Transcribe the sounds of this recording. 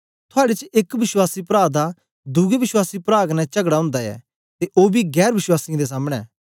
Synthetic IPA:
t̪ʰʊaːɽet͡ʃɪkʋɪʃwaːsipɾaːd̪a | d̪ʊɡeʋɪʃwaːsipɾaːɡnɛt͡ʃɐɡɽaʊ̃ːnd̪aɛ̰ː | t̪eʔoːbiɡɛːɾʋɪʃwaːsɪ̃d̪es̬aːmɽ̃ɛ̰ː

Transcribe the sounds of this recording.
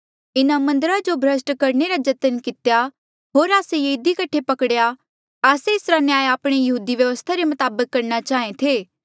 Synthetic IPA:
ɪnamɐ̃nd̪əɾad͡ʒobʱɾɐsʈkɐɾɳeɾad͡ʒɐt̪ənkɪt̪ja | ɦoːɾaːsejeɪd̪ikɐʈʰepɐkɽja | aːseɪsɾanjaːeaːpɽ̃ejɐɦuːd̪iʋjɐʋəst̪ʰaɾemɐt̪aːbəkːɐɾnat͡ʃaːɦẽt̪ʰeː

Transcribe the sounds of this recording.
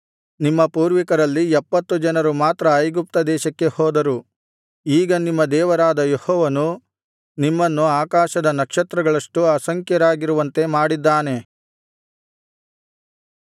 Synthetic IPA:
nimːɐpuːɾʋikɐɾɐlːiɛpːɐt̪ːud͡ʒɐnɐɾumaːt̪ɾɐːjɡup̚t̪ɐd̪ɛːʃɐkːe̞hɔːd̪ɐɾu | iːɡɐnimːɐd̪ɛːʋɐɾaːd̪ɐjehɔːʋɐnu | nimːɐnːuaːkaːʃɐd̪ɐnɐkʂɐt̪ɾɐɡɐɭɐʂʈuɐsɐŋkjɐɾaːɡiɾuʋɐnt̪e̞maːɽid̪ːaːne̞

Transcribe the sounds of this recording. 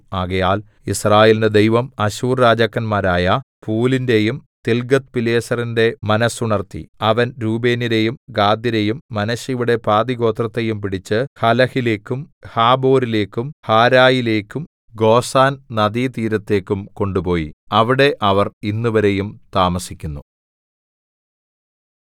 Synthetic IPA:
aːɣɐjaːl | israːjelinde̞d̪ejʋɐmɐɕuːrɾaːd͡ʑɐkːɐnmaːɾaːjɐpuːlinde̞jumt̪elɡɐt̪̚pileːsɐrinde̞mɐnɐsuɳɐrt̪ːḭɐʋɐnɾuːbe̞ːniɾe̞jumɡaːd̪jiɾe̞jumːɐnɐɕiʋuɽe̞paːd̪iɡo̞ːt̪rɐt̪ːe̞jumpiɽit͡ɕːɨhɐlɐhile̞ːkːum | haːbo̞ːɾile̞ːkːumhaːɾaːjile̞ːkːum | ɡo̞ːsaːnnɐd̪iːt̪iːɾɐt̪ːe̞ːkːumko̞ɳɖupo̞ːjḭɐʋiɽe̞ʔɐʋɐrinːuʋɐɾe̞jumt̪aːmɐsikʲːunːu

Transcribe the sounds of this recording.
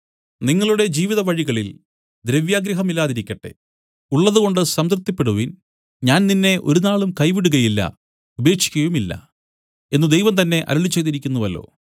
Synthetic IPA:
niŋːɐɭuɽe̞d͡ʑiːʋiðɐʋɐɻiɣɐɭil | d̪ɾeʋjaːɡɾɐɦɐmilːaːðiɾikʲːɐʈːe̞̰ | uɭːɐðuɣo̞ɳɖɨsɐmt̪rɨt̪ːipːeɽuʋin | ɲaːnninːe̞ʔo̞̰ɾunaːɭumkɐjʋiɽuɣɐjilːɐ̰ | ube̞ːkʂi̥kʲːɐjumilːɐ̰ | e̞nːud̪ejʋɐmt̪ɐnːe̞ʔɐ̰ɾɐɭit͡ɕːejðiɾikʲːunːuʋɐlːo̰ː

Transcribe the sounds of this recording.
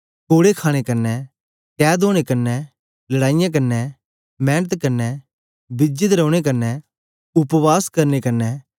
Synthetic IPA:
koːɽekʰaːɽ̃ekɐɾnɛ | kɛːd̪oːɽ̃ekɐnːɛ | lɐɽaːɪjãk̬ɐnːɛ | mɛ̃ːnət̪kɐnːɛ | bɪd͡ʒɪt̪ɾɛːʊɽ̃ek̬ɐnːɛ | ʊpʋaːskɐɾnekɐnːɛ

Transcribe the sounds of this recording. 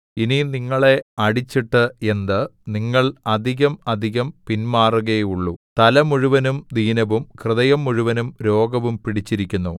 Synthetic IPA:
ininiŋːɐɭe̞ɐɽit͡ɕːiʈːɨe̞nd̪ɨniŋːɐɭɐd̪ʱiɣɐmɐd̪ʱiɣɐmpinmaːruɣeuɭːṵt̪ɐlɐmuɻuʋɐnumd̪ʱiːnɐʋumkrɨðɐjɐmːuɻuʋɐnumɾo̞ːɡɐʋumpiɽit͡ɕːiɾikʲːunːu

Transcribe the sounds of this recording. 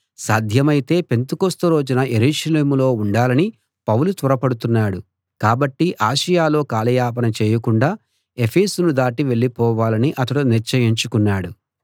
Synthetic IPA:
saːd̪ʱjɐmɐjit̪e̞ːpe̞nt̪ukost̪ɐɾoːd͡ʒɐnɐʔe̞ɾuːʃɐleːmulo̞ːuɳɖaːlɐni | pɐwulut̪uɾɐpɐɽut̪unːaːɽu | kaːbɐʈːiʔaːʃɐjaːlo̞ːkaːlɐjaːp̬ɐnɐt͡ʃɛːjɐkuɳɖaː | e̞pʰeːsunud̪aːʈiʋe̞ɭːipɔːʋaːlɐniʔɐt̪ɐɽuniɾt͡ʃɐjiɲt͡ʃukunːaːɽu

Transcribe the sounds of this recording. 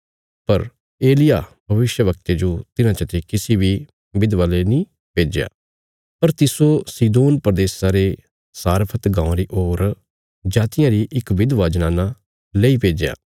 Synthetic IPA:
pɐɾ | eːlɪjabʱɐʋɪʃjəʋəkt̪ed͡ʒot̪ɪnãt͡ʃət̪ʰekɪsibi | bɪd̪ʋalenĩ | peːd͡ʒja̰ː | pɐɾt̪ɪsosiːd̪oːnpɾəd̪eːsaɾe | saːɾpʰət̪ɡãːõɾiʔoːɾ | d͡ʒaːt̪ɪjãɾiʔɪkʋɪd̪ʋaːd͡ʒnaːna | leipeːd͡ʒja̰ː

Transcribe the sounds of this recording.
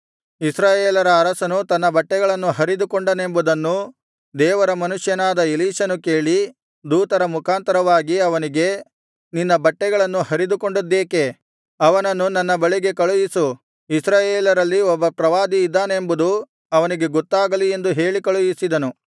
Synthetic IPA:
isɾaːjeːlɐɾɐːɾɐsɐnut̪ɐnːɐbɐʈːɛɡɐɭɐnːuɦɐɾid̪ukoɳɖɐne̞mbud̪ɐnːu | d̪ɛːʋɐɾɐmɐnuʂjɐnaːd̪ɐiliːʂɐnuke̞ːɭi | d̪uːt̪ɐɾɐmukʰaːnt̪ɐɾɐʋaːɡiɐʋɐniɡe̞ | ninːɐbɐʈːɛɡɐɭɐnːuhɐɾid̪uko̞ɳɖud̪ːeːke̞ | ɐʋɐnɐnːunɐnːɐbɐɭiɡe̞kɐɭujisu | isɾaːjeːlɐɾɐlːiɔbːɐpɾɐʋaːd̪iːd̪ːaːnembud̪u | ɐʋɐniɡe̞ɡot̪ːaːɡɐlie̞nd̪uɦe̞ːɭikɐɭujisid̪ɐnu

